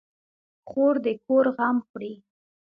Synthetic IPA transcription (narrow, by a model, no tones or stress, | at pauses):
xoɾd̪əkoɾɣamxɽi